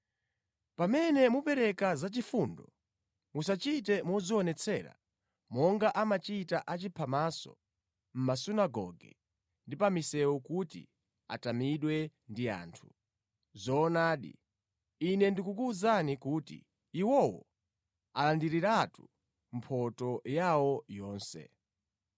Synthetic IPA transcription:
pamɛnɛmupɛɾɛkazat͡ʃifundɔ | musat͡ʃitɛmɔziɔnɛt͡sʰɛ̰ɾa̰ | mɔŋɡaʔamat͡ʃitaʔat͡ʃipʰamasɔ̰ | m̩masunaɡɔ̰ɡɛ̰ | ndipamisɛwɔkutḭ | a̰tamiɗwɛndia̰ːntʰu | zɔːnaːɗḭ | inɛndikukuːzanikuːtḭː | wɔwɔ̰ | alandiɾiɾatu | m̩pʰɔtɔjawɔjɔːnsɛ̰

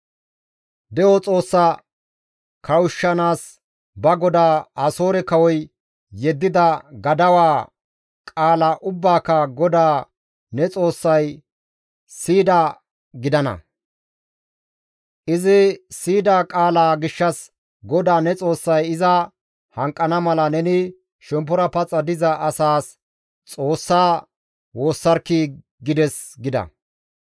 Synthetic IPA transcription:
d̪ɛjɔt͡sʼo̞ːsːɐ | kʰɐwʊʃːɐnaːs | bɐɡɔd̪aːɐso̞ːɾɛkɐwɔj | jɛd̪ːɪd̪ɐɡɐd̪ɐwaː | kʼaːlaʔʊbːaːkɐɡɔd̪aː | nɛt͡sʼo̞ːsːɐj | siːd̪a | ɡɪd̪ɐnɐ̰ | ʔɪzɪsiːd̪aːkʼaːlaːɡɪʃːɐs | ɡɔd̪aːnɛt͡sʼo̞ːsːɐjɪzɐ | hɐŋkʼːɐnɐmɐlɐnɛnɪ | ʃɛmpːɔɾɐpɐt͡sʼːɐd̪ɪzɐʔɐsaːs | t͡sʼo̞ːsːaː | wo̞ːsːɐɾkːi | ɡɪd̪ɛsɡɪd̪ɐ̰

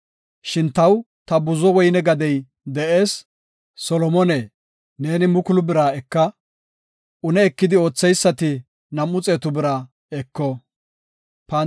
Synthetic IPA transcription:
ʃɪnt̪ɐw | t̪ɐbʊzɔwɔjnɛɡɐd̪ɛj | d̪ɛʔeːsː | ɔlɔmɔneː | ne̞ːnɪmʊkʊlʊbɪɾaːɛkːɐ | ʊnɛːkːɪd̪ɪo̞ːt͡sːɛjsːɐt̪ɪ | nɐmːʊt͡sʼeːt̪ʊbɪɾa | ɛkːɔ | pɐ

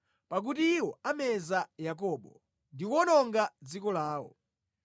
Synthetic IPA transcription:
pak̬utiːwɔamɛzajak̬ɔɓɔ | ndiwɔnɔŋɡad͡zikɔlaːwɔ̰

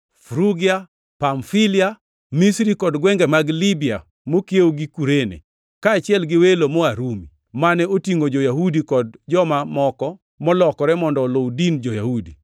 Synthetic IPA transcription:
fɾuɡia | pamfilɪa | misɾikɔdɡwɛŋɡɛmaɡlibia | mokjeoɡikuɾenḛ | kaːt͡ʃɪɛlɡɪwelomoaɾumi | manɛotiŋod͡ʒojaɦudikɔdd͡ʒɔmamɔkɔ | mɔlɔkɔɾɛmɔndɔlodind͡ʒojahudi

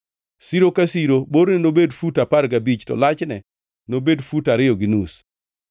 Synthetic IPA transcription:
siɾokasiɾoboɾnɛnobedfutapaɾɡabit͡ʃtɔ̰lat͡ʃnɛ | nobedfutaɾɪjɔɡɪnus

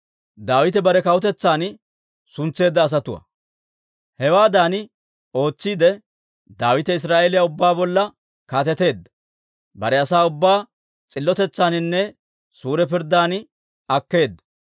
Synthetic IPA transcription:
d̪aːwɪt̪ɛbɐɾɛkɐwʊt̪ɛt͡sːaːn | sʊnt͡sːe̞ːd̪ːɐːs̬ɐt̪ʊwɐ̰ | hɛwaːd̪aːnɪ | o̞ːt͡sːiːd̪ɛ | d̪aːwɪt̪ɛɪs̬ɾaːʔeːlɪjaʊbːaːbɔlːɐ | kaːt̪ɛt̪e̞ːd̪ːɐ̥ | bɐɾɛɐsaːʊbːaː | t͡sʼɪlːɔt̪ɛt͡sːaːnɪnːɛ | suːɾɛpɪɾd̪aːn | ɐkːe̞ːd̪ːɐ̥

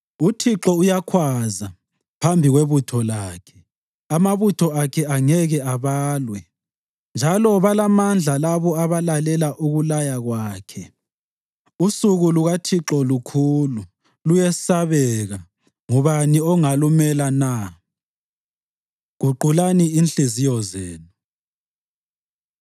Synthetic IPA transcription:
utʰiǁɔujakʰwaza | pʰambʱiɣweβutʰɔlaːkʰɛ̥ | amaβutʰɔakʰɛaŋɛɣɛaβaːlwɛ | nd͡ʒʱalɔβalamand͡ɮʱalaβɔaβalalɛlaʔuɣulajaɣwaːkʰɛ | usuɣuluɣatʰiǁɔlukʰulu | lujɛsaβɛɣa | ŋɔβaniɔŋalumɛlana | ɣ̥uǃulaniinɬizijɔzeːnu

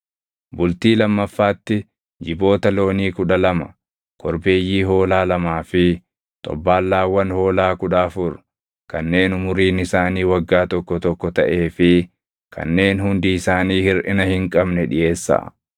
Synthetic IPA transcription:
bʊlt̪iːlɐmːɐfːaːt̪ːɪ | d͡ʒɪbo̞ːt̪ɐlo̞ːniːkʊᶑɐlɐmɐ̰ | kʰɔɾbe̞ːjːiːɦo̞ːlaːlɐmaːfɪ | t̪ʼɔ̰bːaːlːaːwːɐnho̞ːlaːkʊᶑaːfʊɾ | kɐnːe̞ːnʊmʊɾiːnɪsaːniːwɐɡːaːt̪ɔkːɔt̪ɔkːɔt̪ɐʔe̞ːfɪ | kʰɐ̰nːe̞ːnhʊnd̪iɪsaːniːhɪɾʔɪnɐhɪŋkʼɐbnɛᶑɪje̞ːsːa̰

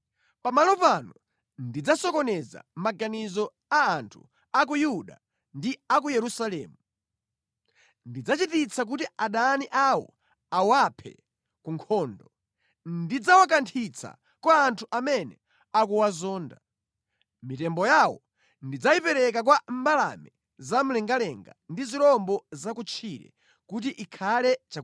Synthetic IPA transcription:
pamalɔpanɔ | ndid͡zasɔkɔnɛza̰maɡanizɔ | aːntʰṵ | ak̬ujuɗa̰ | ndiak̬ujɛɾusalɛːmu | ndid͡zat͡ʃitit͡sʰak̬utiaɗaːniʔawɔ̰ | awapʰɛ̰ | kuŋkʰɔːndɔ | ndid͡zawak̬antʰit͡sʰa̰ | kwaːntʰuʔamɛnɛ | ak̬uwazɔːnda | mitɛmbɔjawɔ̰ | ndid͡zaipɛɾɛk̬ak̬wam̩bala̰mɛ | zam̩lɛŋɡalɛŋɡa̰ndiziɾɔmbɔzakut͡ʃʰiɾɛ̰ | kut̬iʔikʰalɛt͡ʃa

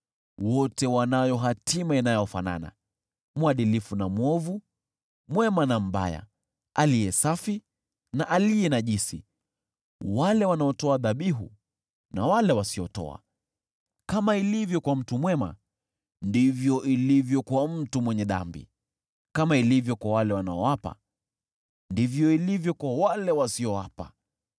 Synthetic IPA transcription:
wɔtɛwanajɔɦatimainajɔfa̰na̰na̰ | muaɗilifunamwɔvu | mwɛmanam̩ba̰ja̰ | alijɛsafi | naʔaliɛnaʄisḭ | walɛwanaɔtɔaðaɓiɦṵ | na̰walɛwasiɔtɔ̰a̰ | kamailivjɔkwam̩tumwɛma̰ | ndivjɔʔilivjɔkwam̩tumwɛɲɛða̰mbḭ | kamailivjɔkwawalɛwanaɔwapa̰ | ndivjɔilivjɔkwawalɛwasiɔwapa

